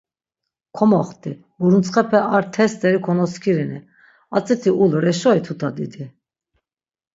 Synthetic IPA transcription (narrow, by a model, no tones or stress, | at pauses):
kʰɔmɔχt̪ʼi | uɾunt͡sʰχɛpʰɛʔaɾt̪ʰɛst̪ʼɛɾikʰɔnɔskʰiɾini | at͡sʼɛt̪ʰiulɾɛʃɔit̪ʰut̪ʰad̪id̪i